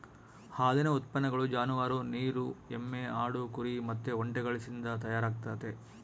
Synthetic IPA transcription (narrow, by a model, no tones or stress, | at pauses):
haːd̪inɐut̪̚pɐnːɐɡɐɭud͡ʒaːnuʋaːɾuniːɾuemːeaːɽukuɾimɐt̪ːeoɳʈɛɡɐɭisind̪ɐt̪ɐjaːɾaːɡ̚t̪aːt̪e